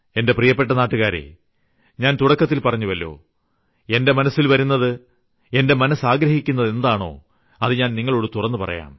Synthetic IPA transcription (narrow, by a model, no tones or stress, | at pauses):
e̞nde̞prijɐpːe̞ʈːɐnaːʈːuɣaːɾḛ | ɲaːnt̪uɽɐkːɐt̪ːilpɐrɐɲːuʋɐlːo̞̰ː | e̞nde̞mɐnɐsːilʋɐɾunːɐðɨ | e̞nde̞mɐnɐsaːɡɾɐɦikʲːunːɐðe̞nd̪aːɳo̞̰ː | ɐðɨɲaːnniŋːɐɭoːɽɨt̪urɐnːɨpɐrɐ̰ja̰ːm